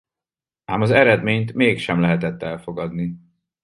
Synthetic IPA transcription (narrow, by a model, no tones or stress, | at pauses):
aːmɒzɛɾɛd̪meːɲt̪meːkʃɛmlɛɦɛt̪ɛt̪ːɛlfo̞ɡɒd̪ni